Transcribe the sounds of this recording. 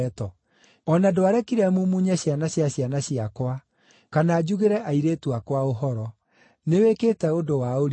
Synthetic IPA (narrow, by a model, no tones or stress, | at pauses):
tɔ | ɔnadoaɾɛkiɾɛmumuɲɛɕjanaɕjaɕjanaɕjakwa | kanaːd͡ʑuɣeɾɛʔaiɾetwakwaoɦɔɾɔ | neweketɛodowaoɾ